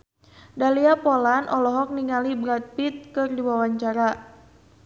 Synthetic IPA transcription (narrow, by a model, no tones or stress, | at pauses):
daliapɔlanʔɔlɔɦɔk̚niŋalibɾat̪̚pit̪̚kɨrdiwawaɲt͡ʃaɾa